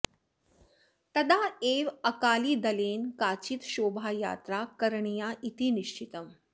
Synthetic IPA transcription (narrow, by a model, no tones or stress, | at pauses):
t̪ɐd̪aeːʋɐkaːliːd̪ɐleːnkaːt͡ʃit̪ʃoːbʱaːja̰ːt̪ɾakɐɾɳijaʔit̪iniʃt͡ʃit̪əm